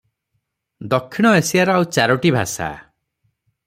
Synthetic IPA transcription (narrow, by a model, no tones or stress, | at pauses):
d̪ɔkʰːiɽ̃ɔesijaɾɔawt͡ʃaɾɔʈibʱa̰sa̰